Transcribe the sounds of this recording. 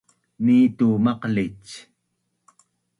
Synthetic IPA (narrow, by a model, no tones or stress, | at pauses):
miːt̪umɑqlit͡ʃ